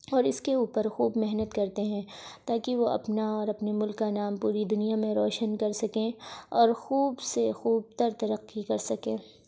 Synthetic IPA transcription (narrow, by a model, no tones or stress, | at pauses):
ɔːɾɪskeuːpəɾxuːbmɛɦnət̪kɐɾt̪eɦɛ̃t̪aːkiʋoɐ̰pnaɔːɾɐpnemʊlkːanaːmpuːɾid̪ʊnijamẽɾɔːʃənkɐɾsɐkẽɔːɾxuːbsexuːb̚t̪əɾt̪ɐɾɐqːikɐɾsɐkẽː